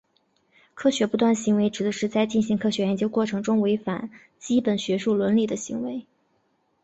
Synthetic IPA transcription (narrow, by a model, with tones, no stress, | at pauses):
kʰɤ˥ɕɥɛ˧˥pu˧˥t̪wa˥˩nə˩ɕi˧˥ŋwe˧˥ɪʈ͡ʂɻ̩˨˩d̪ə˧˦ʂɻ̩˥˧t͡sa˥˧ɪt͡ɕi˥˩nɕi˧˥ŋkʰɤ˥˩ɕɥɛ˧˥ɻɛ˧˥nt͡ɕjo˥ʊkwɔ˥˩ʈ͡ʂʰɤ˧˥ŋʈ͡ʂʊ˥ŋwe˧˥ɪfa̰˨˩˦n | t͡ɕi˥pə˨˩nɕɥɛ˧˥ʂu˥˩lwə˧˥nli˥˩d̪ə˩ɕi˧˥ŋwe˧˥ɪ